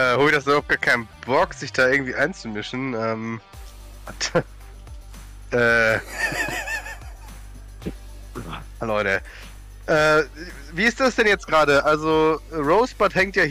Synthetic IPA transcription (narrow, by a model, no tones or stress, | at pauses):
ʔɛːhoːbɪçdasbɐhaʊp̚t̚ɡ̥aːkʰaɪnəb̥ɔkz̥ɪçd̥aːʔɪɐɡŋ̩tv̥iːʔaɪnt͡sumɪʃn̩ʔɛːm | at | ʔɛː | haloɾə | ʔɛː | viːɪstd̥asd̥ɛnjɛt͡stɡ̥ʁaːɾəʔalzoːʁoʊsb̥athɛŋktjaː